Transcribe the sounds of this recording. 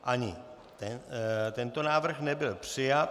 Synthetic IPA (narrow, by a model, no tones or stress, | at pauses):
ʔaɲɪ | t̪ɛnt̪ɛnt̪onaːvr̩xnɛbɪlpr̥ɪjat̪